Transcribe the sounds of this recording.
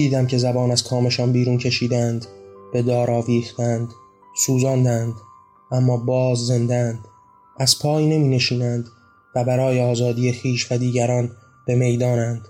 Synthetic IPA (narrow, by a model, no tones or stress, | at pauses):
iːd̪æmcʰe̞zæbɒːnæz̥kʰɒːme̞ʃɒːnbiːɾuːncʰe̞ʃiːd̪ænd̪b̥e̞d̪ɒːɾɒːviːxt̪ænd̪ | suːzɒːnd̪ænd̪ | ʔæmːɒːbɒːzze̞nd̪eænd̪̥ | ʔæz̥pʰɒːjne̞miːne̞ʃiːnænd̪ | væbæɾɒːjeɒːzɒːd̪iːje̞xiːʃvæd̪iːɟæɾɒːn | b̥e̞me̞jd̪ɒːnænd̪̥